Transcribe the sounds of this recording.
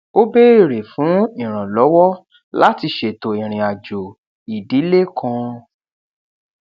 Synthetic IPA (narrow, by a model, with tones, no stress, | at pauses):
o˦be˦i˦˨ɾe˨fũ˨˦ĩ˨ɾ̃ã˨lɔ˨˦wɔ˦ | la˦ti˧ʃe˨to˨ĩ˨ɾ̃ĩ˨a˨d͡ʒo˨ | i˨di˨˦le˦kã˧